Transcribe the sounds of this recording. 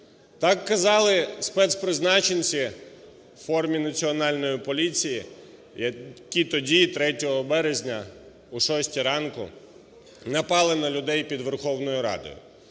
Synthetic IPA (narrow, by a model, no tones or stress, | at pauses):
t̪ɑkːɐzɑlˠɪspɛt̪spɾɪznɑt͡ʃenʲt͡sʲi | fɔrmʲinɐt͡sʲiɔnɑlʲnɔjipɔlʲit͡sʲiji | jɐkʲit̪ɔdʲit̪ɾɛtʲɔɦɔbɛɾezʲnʲɐ | uʃɔsʲtʲiɾɑnkʊ̰ | nɐpɑlˠɪnɐlʲʊd̪ɛjpʲid̪ʋerxɔwnɔjʊɾɑ̰d̪ɔ̰jʊ̰